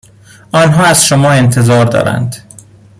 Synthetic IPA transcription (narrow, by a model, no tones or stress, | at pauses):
ɒːnɦɒːæzʃomɒːe̞nt̪ʰe̞zɒːɾd̪ɒ̰ːɾæ̰nd̪